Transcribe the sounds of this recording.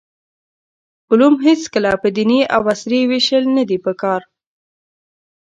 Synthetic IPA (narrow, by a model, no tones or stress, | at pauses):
ʊlumɦet͡skəlapəd̪iniʔa̰wasɾiwiʃəlnad̪ipəkɑɾ